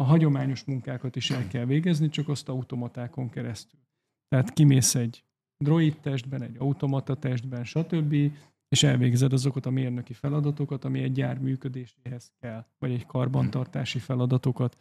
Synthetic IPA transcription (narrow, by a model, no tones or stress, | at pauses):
ɒɦɒɟo̞maːɲo̞ʃmuŋkaːkɒt̪iʃɛlkɛlveːɡɛznit͡ʃɒkɒst̪ɒut̪o̞mɒt̪aːko̞ŋkɛɾɛst̪yl | t̪ɛɦat̪kimeːsɛɟ | d̪ro̞it̪ːɛʒd̪bɛnɛɟːɒut̪o̞mɒt̪ɒt̪ɛʒd̪bɛnʃɒt̪ø̞bːi | eːʃɛlveːɡzɛd̪ɒzo̞kɒt̪ɒmeːrnøkifɛlɒd̪ɒt̪o̞kɒt̪ɒmiɛɟːaːrmyːkø̞d̪eːʃeːɦɛskɛlːvɒɟɛckɒrbɒnt̪ɒrt̪aːʃifɛlɒd̪ɒt̪o̞kɒt̪